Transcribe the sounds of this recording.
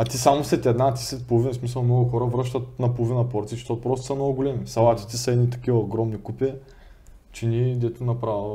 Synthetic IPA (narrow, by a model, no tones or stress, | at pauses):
ɐt̪isamʊslɛt̪ɛd̪nat̪i̥sɛt̪̚polˠʊvinɐsmisəlˠmnɔɡʊxɔɾəvɾɤʃt̪ət̪nɐpolˠʊvinɐpoɾt̪iʃʃt̪ot̪pɾɔst̪ʊ̥sɐmnɔɡʊɡʊlɛmisɐlˠat̪it̪ɛsɐɛd̪nit̪ɐ̥k̟ivɐoɡɾɔmnikupɛ | t͡ʃinid̪ɛt̪ʊnɐpɾav